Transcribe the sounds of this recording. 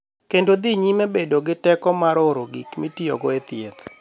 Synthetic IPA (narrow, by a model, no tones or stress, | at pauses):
kendod̪iɲimebedoɡɪtɛkɔmaɾoɾoɡikmitiɔ̰ɡɔet̪ɪet̪